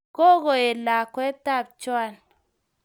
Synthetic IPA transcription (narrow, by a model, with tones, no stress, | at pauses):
ko˦ɣo˨e˨la˨kwɛ˦ta˦˨p̚t͡ʃwa˦˨l